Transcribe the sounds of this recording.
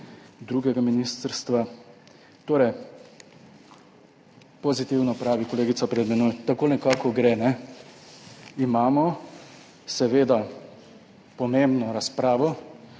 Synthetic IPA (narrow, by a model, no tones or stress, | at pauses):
d̪ɾuɡɛɡaminiːst̪əɾst̪ʋa | t̪oːɾɛj | pɔzit̪iwnɔpɾaːʋikɔleːɡit̪sapɾɛd̪mɛnojt̪akoːnɛkaːkɔɡɾɛnɛ | imaːmɔ | sɛʋeːd̪a | pɔmembnɔɾaspɾaːʋɔ